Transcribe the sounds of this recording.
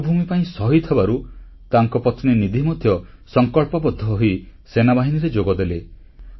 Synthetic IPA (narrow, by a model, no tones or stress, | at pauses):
bʱumipaĩsɔɦit̪ʰebaɾu | t̪aŋkɔpɔt̪ʰninid̪ʱimɔd̪ʱjɔ | sɔŋkɔɭpɔbɔd̪ʱːɔɦisenabaɦiniɾed͡ʒoɡɔd̪ele